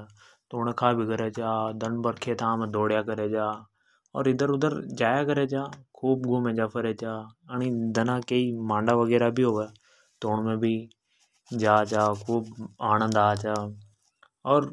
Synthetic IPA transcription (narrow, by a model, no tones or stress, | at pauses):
t̪oːnekʰaːbʱiːkəɾeːt͡ʃaːd̪ənbəɾkʰeːt̪ʰãːmẽːd̪oːɽjaːkəɾeːd͡ʒaː | ɔ̰ːɾɪd̪əɾʊd̪əɾd͡ʒaːjaːkəɾeːt͡ʃaːkʰuːbɡuːmẽːd͡ʒaːpʰəɾeːt͡ʃaːəniːd̪ənãːkəiːmãːɳɖaːʋəɡɛːɾaːbʱiːɦoːʋɛː | t̪oːɳmẽːbʱiː | d͡ʒaːt͡ʃaːkʰuːbaːnə̃nd̪aːt͡ʃaː | ɔːɾ